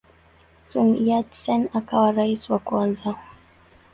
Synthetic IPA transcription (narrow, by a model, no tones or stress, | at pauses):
sunjadsɛnakawaɾaiswakuanza